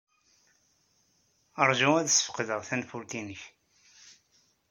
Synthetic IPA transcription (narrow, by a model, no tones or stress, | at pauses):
əɾˤʒuæðsːə̥fə̥qðəʁθænfuɾt̪inəç